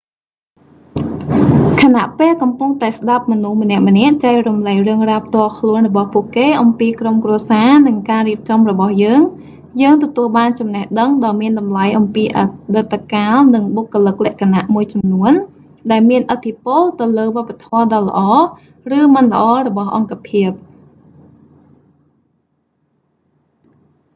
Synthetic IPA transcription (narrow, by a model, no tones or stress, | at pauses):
kʰanaʔpeːlkɑmpuŋt̪aɛsɗap̚mɔnuhmənɛ̆əʔmə̆nɛ̆əʔt͡ɕajrumləjrɨəŋraːpʰt̪ŏəlkʰluənrɔɓɑhpuəʔkeːʔɑmpiːkromkruəsaːnɨŋkaːriəp̚t͡ɕɑmrɔɓɑhjəːŋ | jəːŋt̪ɔt̪uəlɓaːnt͡ɕɑmnehɗəŋɗɑːmiənɗɑmlajʔɑmpiːʔaɗɨt̪ʰːkaːlnɨŋɓokːŏlɨk̚lɛ̆əʔkʰanaʔmuəjt͡ɕɑmnuən | ɗaɛlmiənʔət̪ʰːipʊlt̪ɨwləːʋŏəpːat̪ʰŏəɗɑːlə̆ʔɑː | rɨːmɨnlə̆ʔɑːɾɔɓɑhʔɑŋkapʰiəp̚